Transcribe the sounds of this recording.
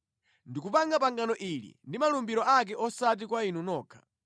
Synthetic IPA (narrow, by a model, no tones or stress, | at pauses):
ndikupaŋɡapaŋɡanɔʔilḭndimalumbiɾɔak̬ɛʔɔsat̬ikwainunɔːkʰḁ